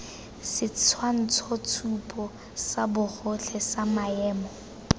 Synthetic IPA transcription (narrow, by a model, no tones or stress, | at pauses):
sɪt͡sʰwan̩t͡sʰɔt͡sʰupʼɔ | sabʊχʊɬʰɛsamaɛːmɔ